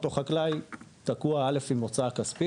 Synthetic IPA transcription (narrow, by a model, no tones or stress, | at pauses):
t̪oχaklajt̪akuaale̞fimot͡sakaspi